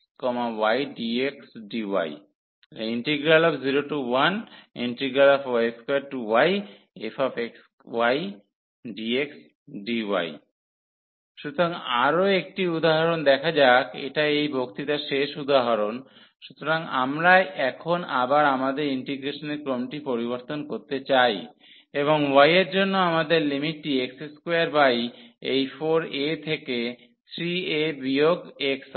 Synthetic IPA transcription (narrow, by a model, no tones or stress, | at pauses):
kɔmawajɖieksɖiwa̰j | iɳʈiɡɾalɔbziɾoʈuwanḭɳʈɾiɡɾalɔfaeskwaʈuwaj | efʰɔfeks | waj | ɖieks | ɖiwa̰j | ʃut̪ʰoɾaŋaɾoek̚ʈiud̪aɦaɾond̪ɛkʰad͡ʑakḛʈaeejbʱokt̪it̪aʃeʃud̪aɦaɾon | ʃut̪oɾaŋa̰mɾaʔɛkʰonabaɾamad̪eɾiɳʈiɡɾeʃoneɾkɾomʈipoɾiboɾt̪onkoɾt̪et͡ɕaj | eβoŋwajeɾd͡ʑonːoamad̪eɾlimiʈ̚ːiekseskeaɾbajejfoɾet̪ʰeke | t̪ʰɾiebioɡeks